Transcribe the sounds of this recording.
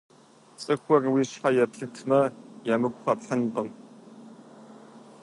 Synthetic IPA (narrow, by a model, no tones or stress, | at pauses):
t͡sʼɨxʷɔrwiːɕħajɛpɬɨtʰmɐjamɨkʷʼχɐpɬənbɐm